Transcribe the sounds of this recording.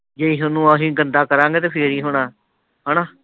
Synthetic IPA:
d͡ʒeiːɦʊnũːaːɦĩːɡənd̪aːkəɾãːŋɡeːt̪eːpʰeːɾiːɦʊɽãː | ɦɛːɳãː

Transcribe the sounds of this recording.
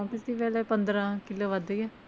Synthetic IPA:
t̪ɪsiːpɛːlɛːpə̃nd̪ɾãːkɪloːʋad̪ejɛ

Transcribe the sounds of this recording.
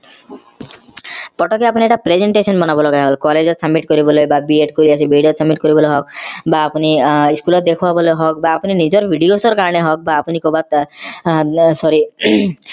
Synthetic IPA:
pɔʈʰɔkeapunieʈapɾezeɳʈesɔnbɔnabɔlɔɡajɦɔlkɔled͡zɔtsamːiʈkɔɾibɔlojbabieʈkɔɾiasʰibʱiɖijotsamːiʈkɔɾibɔloɦɔk̚baːpuniiskulɔt̪̚d̪ekʰubabɔloɦɔk̚baːpuninid͡ʒɔɾbʱiɖijosɔɾkaɾɔneɦɔk̚baːpunikobat̪ | sɔɾi

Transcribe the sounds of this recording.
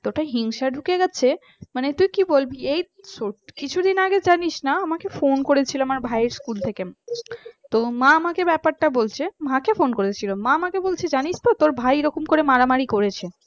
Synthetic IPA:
t̪oʈaɦiŋʃaɖʱukeɡɛt͡ɕʰe | manet̪ujkibolbiej | sokit͡ɕʰud̪inaɡed͡ʑaniʃnaamakefonkoɾet͡ɕʰiloamaɾbʱajeɾskult̪ʰeke | t̪omãamakebɛpaɾʈabolt͡ɕʰemakefonkoɾet͡ɕʰilomãamakebolt͡ɕʰed͡ʑaniʃt̪ot̪oɾbʱajeɾɔkomkoɾemaɾamaɾikoɾet͡ɕʰe

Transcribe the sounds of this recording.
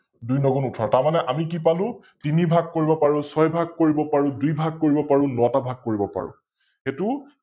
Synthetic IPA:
dujnɔɡɔnutʰɔɹtaɹmanɛʔamik̬ipalʊ̃ | tinibʱaɡ̚koɹibɔpaɹũsɔjbʱaɡ̚koɹibɔpaɹũdujbʱaɡ̚koɹibɔpaɹʊ̃nɔatabʱaɡ̚koɹibɔpa̰ɹʊ̰̃ | xetu

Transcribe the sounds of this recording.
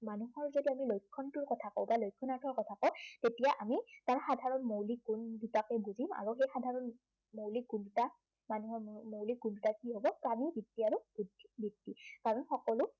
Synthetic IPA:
manuhɔɹzodiamilojkʰːɔntʊɹkɔtʰakɔwbalojkʰːɔnaɹtʰɔɹkɔtʰakɔwtetijaʔamitaɹxadʱaɹɔnmowlikunditakɛbuzima̰ɹuxejxadʱaɹɔn | mowliɡunduta | manuhɔɹmowliɡundutakiɦobɔtamibitːiaɹubidʱi̥bitːikaɹɔnxɔkɔlʊ

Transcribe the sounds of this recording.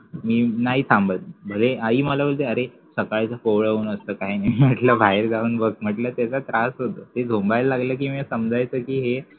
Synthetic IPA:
miːnaɦiːsʰambʱət̪̚bʱoleaiːməlabəld͡zeəɾe | səkaɭt͡səfoʋɭəuːnəst̪əːkaɦinaiaʈləbʱaeɾd͡zauːnbəɡm̤əʈləːt̪jat͡sat̪ɾasɦot̪əːt̪ed͡zʱombajlːaɡləːk̬iːməsəmd͡zʱajt͡səːkiːɦe

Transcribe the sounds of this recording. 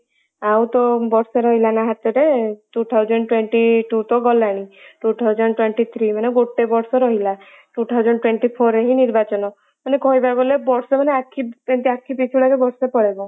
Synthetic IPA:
awt̪ɔbɔɾseɾɔɦilanaɦat̪ɔɾeʈut̪ʰawd͡ʒɔnɖʈweɳʈiʈut̪ɔɡɔlaɽ̃iʈut̪ʰawd͡ʒɔnɖʈweɳʈit̪ʰɾimaneɡoʈebɔɾsɔɾɔɦila | ʈut̪ʰawd͡ʒɔnɖʈweɳʈipʰoɾeɦiniɾbat͡ʃɔnɔ | manekɔɦibabolebɔɾsɔmaneakʰient̪iakʰipit͡ʃʰɭakebɔɾsepɔɽebɔ

